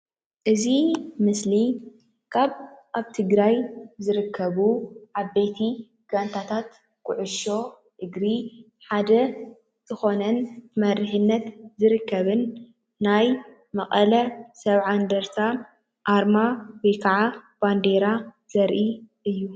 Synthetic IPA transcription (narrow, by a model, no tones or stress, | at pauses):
ʔɨzimɨsli | kʰaβʔaβt̪ʰɨɡɾajzɨɾɨkʰːɐβuʕabːejt̪ʰi | ɡ̥ant̪ʰat̪ʰat̪ | kʰʊʕʊʃo̞ | ɨɡɾi | ħad̪ɐ | zɨxo̞nɐnmɐrɨħɨnːɐt̪zɨɾɨkːɐβɨnː | aj | mɐxʼɐlɐsɐβʕand̪ɐɾt̪ʰa | ʔaɾmawijkʰaʕab̥and̪eɾa | z̥ɐɾʔiʔɨjːu